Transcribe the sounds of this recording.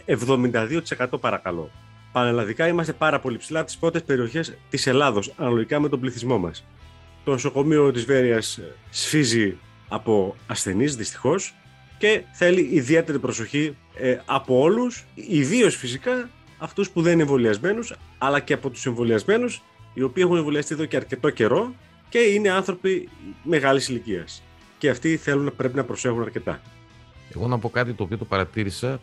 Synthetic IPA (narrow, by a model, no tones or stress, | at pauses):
e̞vðo̞mind̪ɐðio̞t̪i̥se̞kɐt̪o̞pɐɾɐkɐlo̞̰ | pɐnelɐðikɐimɐs̬t̪e̞pɐɾɐpo̞lipsilɐpot̪i̥spɾo̞t̪e̞spe̞ɾio̞çe̞st̪ise̞lɐðo̞sɐnɐlo̞ʝikɐme̞t̪o̞bliθizmo̞mɐ̰s | t̪o̞noso̞ko̞mio̞t̪izve̞ɾiɐsːfizi | ɐpo̞ɐsθe̞nizðist̪i̥xo̞s | ce̞θe̞liːðie̞t̪e̞ɾipɾo̞so̞çi | ɐpo̞o̞lusiðio̞sfisikɐː | ft̪uspuðenineɱvo̞liɐzme̞nusɐlɐce̞ɐpo̞t̪u̥se̞ɱvo̞liɐzme̞nus | io̞piːe̞xuneɱvo̞liɐst̪ie̞ðo̞ceɐɾce̞t̪o̞ce̞ɾo̞ | ce̞ine̞ɐnθɾo̞pime̞ɣɐlisiliciɐ̰s | ce̞ɐft̪iθe̞lunɐpɾe̞p̬inɐpɾo̞se̞xunɐɾce̞t̪ɐ̰ | e̞̰ɣo̞nɐpo̞kɐt̪it̪o̞ːpio̞t̪opɐɾɐt̪iɾisɐ